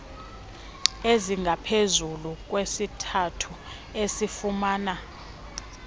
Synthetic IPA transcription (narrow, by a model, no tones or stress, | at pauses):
eziŋɡʱapʰezuluk̬ʼwesitʰatʰu | esifumaːna